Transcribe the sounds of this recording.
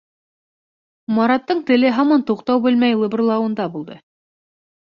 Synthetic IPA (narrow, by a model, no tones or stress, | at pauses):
mɑɾɑt̪ːɤɴt̪ɘ̆lɘɦɑmɑnt̪uqt̪ɑwbɘlmæjlˠɤ̆bɤ̆rlˠɑwɤ̆nd̪ɑbulˠd̪ɤ̰